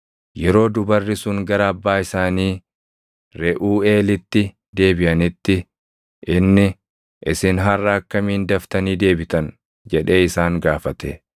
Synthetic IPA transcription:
jɛɾo̞ːd̪ʊbɐrːɪsʊŋɡɐɾɐɐbːaːɪsaːniː | ɾɛʔuːe̞ːlɪt̪ːɪ | d̪e̞ːbɪʔɐnɪt̪ːɪ | ʔɪnːɪ | ʔɪsɪnɦɐrːɐɐkːɐmiːnd̪ɐft̪ɐniːd̪e̞ːbɪt̪ɐn | d͡ʒɛᶑe̞ːɪsaːŋɡaːfɐt̪ɛ̰

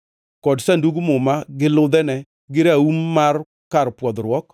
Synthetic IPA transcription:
kɔdsanduɡmʊmaɡɪlʊd̪ɛnɛ | ɡɪɾaumːar | kaɾpwɔd̪ɾwɔk

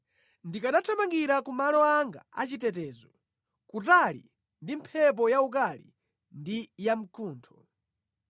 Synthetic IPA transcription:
ndikaɗatʰɔmaŋɡiɾakumalɔaŋɡa̰at͡ʃitɛt̬ɛːzɔ | kutalḭ | ndimpʰɛp̬ɔjauk̬alḭ | ndijam̩kʰuːntʰɔ̥

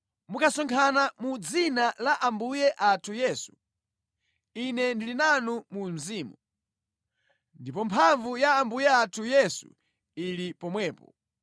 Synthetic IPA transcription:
mukʰasɔŋkʰanamud͡zinalaʔambujɛʔatʰujɛːsu̥ | inɛndilinanumum̩ziːmu | ndipɔmpʰaɱvujaːmbujɛatʰujɛsṵ | ilipɔmwɛːpɔ̰

